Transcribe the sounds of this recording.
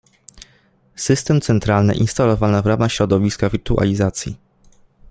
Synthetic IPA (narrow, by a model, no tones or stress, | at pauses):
sɘst̪ɛmt̪sɛnt̪ɾalnɘ̰ʔinst̪alɔvanavɾamaxɕɾɔd̪ɔvʲiskavʲiɾt̪uʔa̰lʲizat̪sʲjḭ